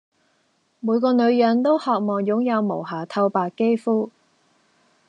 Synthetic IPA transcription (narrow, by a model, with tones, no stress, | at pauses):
muː˨˧jkɔː˧nɵ˨˧ɥjœ˨˥nt̪o˥whɔː˨k̚mɔː˨˩ŋjʊ˨˥ŋjɐ˨˧wmo˨˩wɦaː˨˩t̪ʰɐ˧wpaː˨kkːe˥jfuː˥